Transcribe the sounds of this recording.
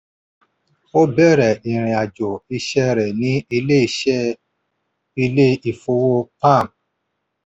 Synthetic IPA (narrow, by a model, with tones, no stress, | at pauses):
o˦bɛ˦˨ɾɛ˨ʔi˨ɾ̃ĩ˨a˨d͡ʒo˨i˧ʃɛ˦ɾɛ˨nĩ˨˦i˧le˦i˧ʃɛ˦ | i˧le˦i˨fo˧wo˦pã˦˨m